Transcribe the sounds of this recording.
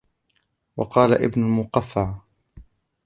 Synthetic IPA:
wɑqɑːlaʔɪ̰bnʊlmʊqɑfːaʕ

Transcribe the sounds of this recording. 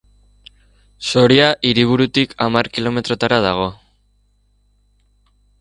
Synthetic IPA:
so̞ɾiaʔiɾiβ̞uɾut̪ikʰamarkilo̞me̞t̪ɾo̞t̪aɾaðaɣ̞o̞

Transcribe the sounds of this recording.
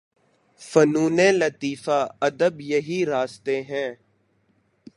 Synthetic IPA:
fənuːnẽːlət̪iːfaːɐd̪əbjəɦiɾaːst̪eɦɛ̃ː

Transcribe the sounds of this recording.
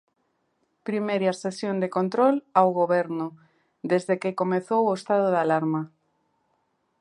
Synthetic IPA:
pɾimeɾasesjond̪ekont̪ɾolawɣoβɛɾnʊ | d̪ezðekekomeθowoest̪aðoðalaɾma

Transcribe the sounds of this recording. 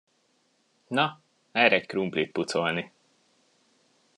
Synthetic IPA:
nɒ | ɛːɾɛckɾumplit̪̚put̪so̞lni

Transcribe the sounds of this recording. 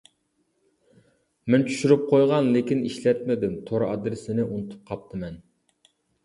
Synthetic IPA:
mɛnt͡ʃʰy̥ʃyɾyp̚qʰojʁɑnlekʲiniʃlɛt̪mɪd̪ɪmt̪ʰoɾʔɑd̪ɾɪsɪnɪʔunɨt̪ʰu̥p̚qʰɑp̚t̪ʰɨmɛn

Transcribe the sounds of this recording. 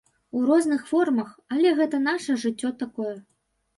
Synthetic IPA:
urɔznɨxfɔrmɐxalʲɛɣɛt̪ɐn̪aʂɐʐɨt͡sʲːɔt̪akɔjɛ

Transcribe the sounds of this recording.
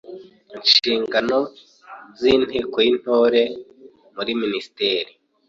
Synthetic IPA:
inʃiːŋɡano̞ | ziːn̥heːkojin̥ho̞ːɾe̞ | muɾiminisi̥teːɾi

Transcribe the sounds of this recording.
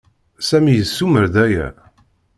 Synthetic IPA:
sæmijəsːuməɾðæjæ̰

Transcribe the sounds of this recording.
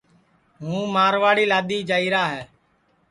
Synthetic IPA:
ɦũːmaːɾʋaːɽiːlaːd̪iːd͡ʒaːiːɾaːɦɛː

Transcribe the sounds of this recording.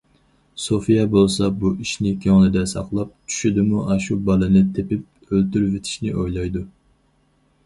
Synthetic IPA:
sofijɛbolˠsɑbuʔiʃnɪkʲʰøŋlˠɨd̪ɛsɑ̰qlˠɑp̚t͡ʃʰy̥ʃɪd̪ɪmuʔɑʃubɑlˠɨnɨt̪ʰepɪp̚ | ølt̪yɾvet̪ʰɪ̥ʃnɪʔojlˠɑjd̪u

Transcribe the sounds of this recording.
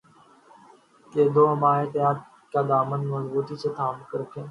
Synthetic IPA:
keːd̪oːɦəmaːɦet̪ɪjaːd̪̚ | kaːd̪aːmənməzbuːt̪iːset̪ʰaːmkəɾəkʰẽː

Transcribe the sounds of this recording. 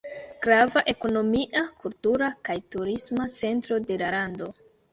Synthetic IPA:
ɡ̥ɾavaʔe̞ko̞no̞miʔakultuɾakajtuɾismat͡se̞ntɾo̞de̞laɾando̞

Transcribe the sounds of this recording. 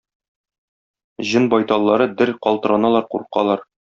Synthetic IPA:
ʑɤnbɒjt̪ɑlˠːɑɾɤd̪ɘɾqɒlˠt̪ɤ̆ɾɑnɑlˠɑɾqṵɾqɑ̰lˠɑɾ

